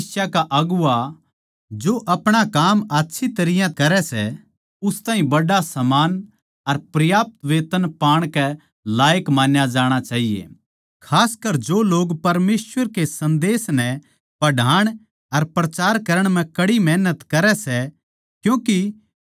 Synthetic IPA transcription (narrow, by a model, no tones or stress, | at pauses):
sjakaʔɐɡʊa | d͡ʒoʔɐpɽ̃akaːmaːtːʃʰit̪ɐɾɪjãkɐɾɛsɛ̰ | ʊst̪aːɦĩbɐɽasɐmaːn | ɐɾpɾɐjaːp̚t̪ʋeːt̪ənpaːɽ̃kɛ | laːjəkmaːnjad͡ʒaːɽ̃at͡ʃaːɦijḛː | kʰaːskɐɾd͡ʒoloːɡpɐɾmeːswʋəɾkesɐ̃nd̪eːsnɛ̃ | pɐɖʱaːɽ̃ | ɐɾpɾɐt͡ʃaːɾkɐɾəɽ̃m̤ɛ̃kɐɽimɛːnət̪kɐɾɛsɛ | kjũːki